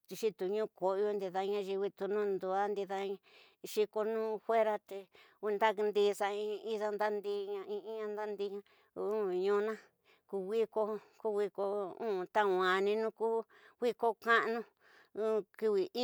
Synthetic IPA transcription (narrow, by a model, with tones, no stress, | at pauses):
t͡ʃ̪i˧ʃi˦t̪u˨ɲũː˦ko˨˧jo˧nd̪i˧ða˧ɲã˦ʒi˧wi˧t̪u˧nũ˦nd̪u˧a˦nd̪i˧ða˧ɲã˧ | ʃi˧ko˧nũː˦fwe˦ɾa˦t̪e˧ | u˧nd̪a˦knd̪i˧sa˧ĩ˧i˦ða˦nd̪a˦nd̪i˧˦ɲã˧ĩ˧ĩ˦ɲã˧nd̪a˦nd̪i˧˦ɲã˧ | ũ˦ɲũ˧˦nã˦ | ku˧wi˦ko˧ku˦wi˧ko˧ũ˦˨t̪a˦˨wã˨nĩ˧nũ˦ku˦ | wi˦ko˦kã˦ʔnũ˦ | u˦ki˧βi˨i˦